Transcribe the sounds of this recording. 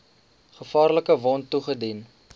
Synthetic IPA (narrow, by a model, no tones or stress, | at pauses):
χəfɑːrləkəvɔntːuχədin